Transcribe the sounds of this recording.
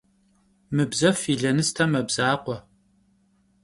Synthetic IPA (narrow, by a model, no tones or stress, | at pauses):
mɨbzɐfiːɮɐnɨstʰɐmɐbz̥aːqʷɔ